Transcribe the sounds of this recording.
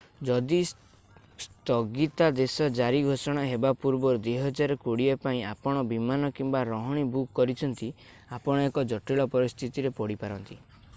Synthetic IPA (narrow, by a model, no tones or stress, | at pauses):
d͡ʒɔd̪is | st̪ɔɡit̪ad̪esɔd͡ʒaɾiɡʱosɔɽ̃aɦebapuɾbɔɾd̪eɦɔd͡ʒaɾekuɽiepaĩapɔɽ̃ɔbimanɔkimbaɾɔɦɔɽ̃ibukːɔɾit͡ʃʰɔnt̪i | apɔɽ̃ɔekɔd͡ʒɔʈiɭɔpɔɾist̪ʰit̪iɾepɔɽipaɾɔnt̪i